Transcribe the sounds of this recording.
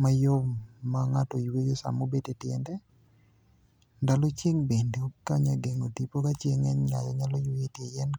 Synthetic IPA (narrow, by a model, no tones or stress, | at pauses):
majomːaŋatɔjwejosa̰mobetetjɛndɛ | ndalɔt͡ʃjeŋbendeokaɲaɡeŋotipokat͡ʃjeŋɛnɲajɔɲalɔjweetjejɛn